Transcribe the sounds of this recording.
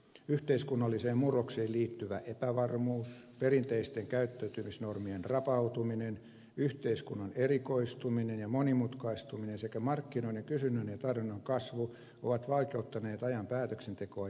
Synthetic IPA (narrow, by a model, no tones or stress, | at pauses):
yht̪eiskunːɑlːiseːmmurokseːliːt̪ːyʋæʔepæʋɑrmuːs | perint̪eist̪eŋkæyt̪ːæyt̪ymisnormienrɑpɑut̪uminen | yht̪eiskunːɑnerikoist̪uminenjɑmonimut̪kɑist̪uminensekæmɑrkːinoineŋkysynːynjɑt̪ɑrʋinːoŋkɑsʋu | o̰ʋɑt̪ʋɑlkeut̪ːɑneːt̪ɑjɑmpæːt̪øksent̪ekoɑ